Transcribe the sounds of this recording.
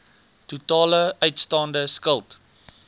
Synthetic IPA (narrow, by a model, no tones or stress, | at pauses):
tutɑːləœɥtstɑːndəskəlˠt